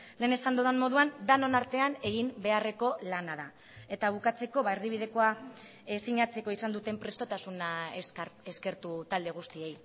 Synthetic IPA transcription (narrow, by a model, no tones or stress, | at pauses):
le̞ːne̞sand̪oðenmo̞ð̞uand̪ano̞naɾt̪e̞ane̞ɣimbe̞are̞ko̞lanaða | e̞t̪aβ̞ukat͡se̞ko̞βaeɾðiβ̞iðe̞ko̞a | esiɲat͡se̞ko̞isand̪ut̪e̞mpɾe̞st̪o̞t̪asuna | eske̞ɾt̪ut̪ald̪e̞ɣ̞ust̪ie̞j